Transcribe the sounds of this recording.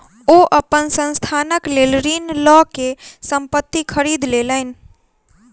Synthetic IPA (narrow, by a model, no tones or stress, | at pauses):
oʔəpənsə̃nst̪ʰaːnəklelɾinlɔkesəmpət̪ːikʰəɾid̪lelən